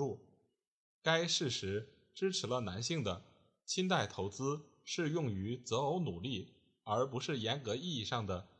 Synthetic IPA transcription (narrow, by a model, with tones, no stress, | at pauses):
u˥˩ | ka˥ɪʂɻ̩˥˩ʂɻ̩˧˥ | ʈ͡ʂɻ̩˥ʈ͡ʂʰɻ̩˧˥lə˧na˧˥nɕi˥˩ŋd̪ə˩ | t͡ɕʰi˥nt̪a˥˩ɪt̪ʰo˧˥ʊt͡sɹ̩˥ | ʂɻ̩˥˧jʊ˥˩ŋy˧˥t͡sɤ˧˥o˧˥ʊnu˨˩li˥˩ | ə˞˧˥pu˧˥ʂɻ̩˥˩jɛ˧˥nkɤ˧˥i˥˧i˥˧ʂɑ˥˩ŋd̪ə˩